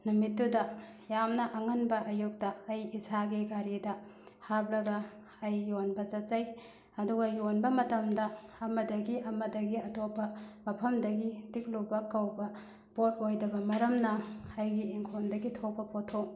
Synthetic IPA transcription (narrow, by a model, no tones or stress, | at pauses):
numitːudɐjamnɐʔɐŋɐnbɐʔɐjuk̚tɐɐjisaɡiɡaɾidɐhablɐɡɐ | ɐjːonbɐt͡ʃɐt̚t͡ʃɐj | ɐduɡɐjonbɐmɐtɐmdɐɐmɐdɐɡiɐmɐdɐɡiɐtopːɐmɐpʰɐmdɐɡidik̚lubɐkɐwbɐ | bot̚ojdɐbɐmɐɾɐmnɐɐjɡiiŋkʰondɐɡitʰok̚pɐpotʰːoŋ